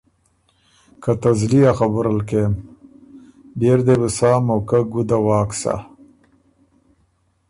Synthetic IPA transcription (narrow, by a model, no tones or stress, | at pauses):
kat̪azliaxabʊɾalkem | beɾd̪ebusaːmawkaɡud̪awɑːksa̰